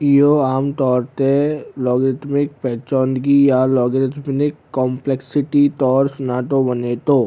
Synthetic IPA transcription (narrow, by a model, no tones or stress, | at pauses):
ijoaːmt̪ɔːɾt̪elɔːɡɾɪt̪mɪk̚pɛːt͡ʃɔːnɡijalɔːɡɾɪt̪ʰmnɪkːɔ̃ːmpleksɪʈit̪ɔːɾsʊnaːt̪obɐneːt̪oː